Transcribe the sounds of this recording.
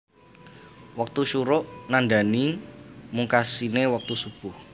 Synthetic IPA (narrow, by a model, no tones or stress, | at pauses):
wak̚t̪uʃuɾʊʔnandanimuŋkasinewak̚t̪usub̥ʊh